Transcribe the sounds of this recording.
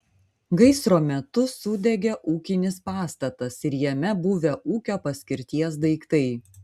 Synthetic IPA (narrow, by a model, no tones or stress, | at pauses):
ɡɐɪsɾoːmʲɛt̪ʊsʊd̪ʲɛɡʲɛʔuːkʲɪnʲɪspɑːst̪ɐt̪ɐsɪɾjɛmʲɛbuːʋʲɛʔuːkʲoːpɐsʲkʲɪɾʲt̪ʲiɛsd̪ɐɪkt̪ɐɪ